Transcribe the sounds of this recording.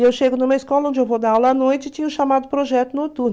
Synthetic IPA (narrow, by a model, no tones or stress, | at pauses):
ewʃeɡʊnũmɐiskɔlɐõnd͡ʒɪewvod̪aawlɐːnojt͡ʃɪt͡ʃĩɲɐʊ̃ʃamad̪ʊpɾoʒɛt̪ʊnot̪u